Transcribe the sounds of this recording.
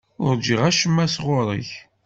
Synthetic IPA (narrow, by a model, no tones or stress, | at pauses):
ʊɾd͡ʒiʁæʃəmːæsʁʊɾˤə̰ç